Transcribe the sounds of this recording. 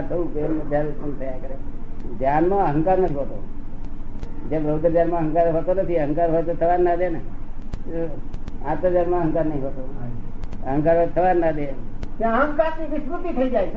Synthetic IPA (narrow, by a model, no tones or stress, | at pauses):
t̪ʰəũkeəd̪ʱjaɾsət̪ʰəjakəɾed͡ʒjanmãəɦəŋkaɾnət̪ʰiɦot̪o | d͡ʒebɾəd̪ɾəd͡ʒaɾmãɦəŋkaɾɦot̪onət̪ʰiəɦə̃ŋkaɾɦojt̪ot̪ʰəʋaɾnãd̪ene | ãt̪əd͡ʒaɾmãəɦəŋkaɾnəĩɦot̪o | əɦə̃ŋkaɾɦɔjt̪ʰəʋaɾnad̪ekãəɦə̃ŋkaɾniʋɪsmut̪it̪ʰəid͡ʒajt͡ʃʰe